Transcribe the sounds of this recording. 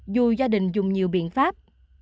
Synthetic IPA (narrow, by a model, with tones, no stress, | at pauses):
zu˨˩zaː˧ɗï˨˩ŋ̟zʊ˨˩ŋ͡mɲi˨˩əwɓḭ˧˨ənfaː˦˥p̚